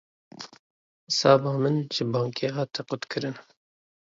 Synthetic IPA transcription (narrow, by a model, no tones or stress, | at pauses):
sɑːbɑːmɨnʒɨbɑːŋkʰeːɦɑːt̪ʰɛqʊt̪kʰɨɾɨn